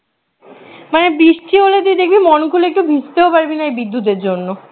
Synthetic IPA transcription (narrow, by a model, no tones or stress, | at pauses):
manebɾiʃʈʰiɦolet̪ud̪ek̚ʰbimɔnkʰulek̚ʈubʱist̪eopaɾbinaebid̪ʱːut̪̬eɾd͡ʑonːo